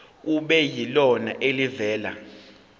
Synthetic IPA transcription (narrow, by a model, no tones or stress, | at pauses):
uɓɛjilɔna̰ʔelivɛːla̰